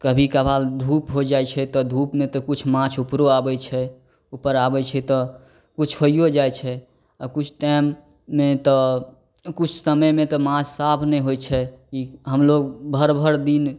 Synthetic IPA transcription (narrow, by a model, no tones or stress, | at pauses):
kəbʱikabʱald̪ʱupɦod͡ʒajt͡ʃʰɛt̪ɔd̪ʱupmet̪ɔkut͡ʃʰmãt͡ʃʰupɾoabɛt͡ʃʰɛ | upəɾabɛt͡ʃʰɛt̪ɔ | kut͡ʃʰhoijod͡ʒajt͡ʃʰɛ | kut͡ʃʰʈaɪmː | et̪ɔ | kut͡ʃʰsəməjmẽt̪ɔmãt͡ʃʰsabʰnɛɦojt͡ʃʰɛkiɦəmloɡbʱəɾbʱəɾd̪in